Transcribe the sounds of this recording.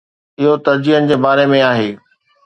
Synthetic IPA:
ɪɦot̪ɐɾd͡ʑiɦənɪ̆d͡ʑeːbaːɾemẽaːɦeː

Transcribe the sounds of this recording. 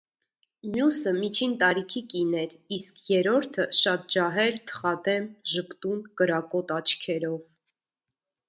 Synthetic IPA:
mjusəmit͡ʃʰint̪ɑɾikʰikinɛɾiskʰjɛɾɔɾt̪ʰəʃɑt̪̚d͡ʒɑɦɛɾt̪ʰə̥χɑt̪ɛmʒəpt̪unkəɾɑkɔt̪ɑt͡ʃʰkʰɛɾɔv

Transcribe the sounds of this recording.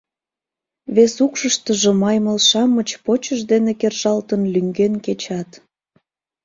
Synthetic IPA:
βesukʃəʃt̪əʒomɑjməlʃɑmət͡ɕpot͡ɕəʒd̪enekerʒɑlt̪ənlyŋɡenket͡ɕɑt̪

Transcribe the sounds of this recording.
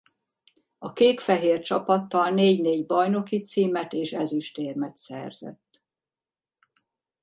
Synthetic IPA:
ɒkeːkfɛɦeːrt͡ʃɒpɒt̪ːɒlneːɟneːɟbɒjno̞kit̪siːmɛt̪eːʃɛzyʃt̪eːrmɛt̪sɛ̰rz̥ɛ̰t̪ː

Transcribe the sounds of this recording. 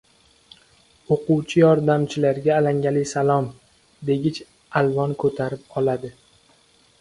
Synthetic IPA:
oqʊwt͡ʃʰɪjɒɾd̪amt͡ʃʰɪlaɾɡʲaːlaŋʲalɪjsalˠɒm | d̪e̞ɡʲɪt͡ʃ | alvɒnkʰɵt̪ʰaɾɪp̚ɒlad̪ɪ

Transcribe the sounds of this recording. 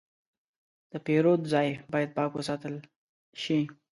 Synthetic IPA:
d̪̥əpeɾod̪zɑjbɑjad̪̚pɑkwəsɑt̪əl | ʃi

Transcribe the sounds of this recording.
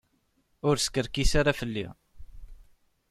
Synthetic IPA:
ʊɾskəɾkisaɾafəlːḭ

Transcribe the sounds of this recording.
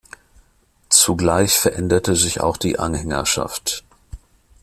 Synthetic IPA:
t͡suɡlaɪçfɛɐʔɛndɐtəzɪça̰ʊxd̥iːʔanhɛŋɐ̰ʃa̰ft

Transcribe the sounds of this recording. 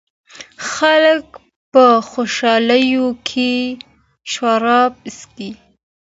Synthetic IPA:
xalək | pəxoʃɑləjokʰe | ʃwaɾɑb̚ski

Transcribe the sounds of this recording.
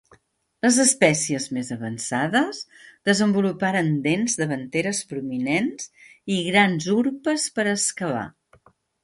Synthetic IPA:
ləzəspɛsiəzmezəβənsaðəzðəzəmbulupaɾənd̪enzðəβ̞ənt̪eɾəspɾuminenz̥iɣɾanzuɾpəspəɾəskəβa̰

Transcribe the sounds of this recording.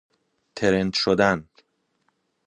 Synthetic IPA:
t̪ʰeɾent̪ʃod̪æn

